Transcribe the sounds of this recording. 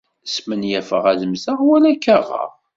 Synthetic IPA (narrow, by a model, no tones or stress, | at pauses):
smənjæfəʁæðəmzəʁwælækːæʁə̰ʁ